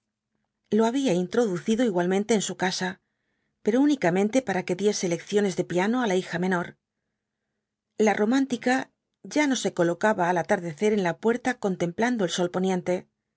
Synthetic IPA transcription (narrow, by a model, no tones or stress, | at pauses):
lo̞aβ̞iaint̪ɾo̞ðuθiðo̞iɣwalmẽnt̪e̞ːnsukasa | peɾo̞unikamẽ̞nt̪e̞paɾake̞ðje̞se̞le̞kθjo̞ne̞zðe̞piano̞alaixamẽ̞no̞ɾ | larʔo̞mãnt̪ika | ʝano̞se̞ko̞lo̞kaβaːlat̪aɾðe̞θe̞ɾe̞nlapwe̞ɾt̪ako̞nt̪e̞mpland̪o̞elso̞lpo̞njẽ̞nt̪e̞